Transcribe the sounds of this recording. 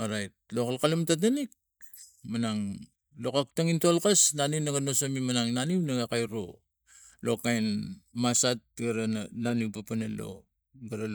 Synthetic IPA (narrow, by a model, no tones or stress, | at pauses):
oɾajt̚lokalkalamtat̬anik̚ | manaŋ | lokak̚taŋintolkasnanimnaɡanosamimanaŋnanimnaɡakajɾo | lo̞kajnmasat̚ɡaɾanananupapanalo̞̰ | ɡaɾal